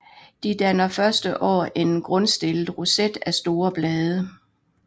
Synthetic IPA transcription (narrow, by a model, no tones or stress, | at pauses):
d̥id̥ænɐfɶɐsd̥əʔɒ̰ːʔe̝nɡ̥ʁɔ̽nsd̥e̝ləð̩ˠʁused̥æsd̥o̝ːɐb̥lɛːð̞ˠə